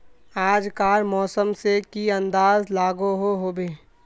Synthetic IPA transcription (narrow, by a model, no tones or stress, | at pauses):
aːd͡ʒkaːɾmɔːsəmsekiɐ̃nd̪aːzlaːɡoɦoɦoːbeː